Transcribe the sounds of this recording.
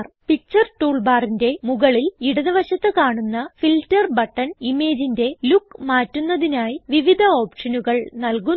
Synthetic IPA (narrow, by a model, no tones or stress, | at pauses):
rpik̚t͡ɕːɐrʈuːɭbaːrinde̞muɣɐɭiliɽɐðɐʋɐɕɐt̪ːɨkaːɳunːɐfiltɐrbɐʈːɐnime̞ːd͡ʑinde̞lukːmaːtːunːɐðinaːjiʋiʋid̪ʱɐo̞ːpʂɐnuɣɐɭnɐlku